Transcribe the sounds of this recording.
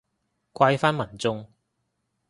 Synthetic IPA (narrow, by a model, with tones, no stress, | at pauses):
kʷwa˧jfaː˥nmɐ˨˩nt͡sʊ˧ŋ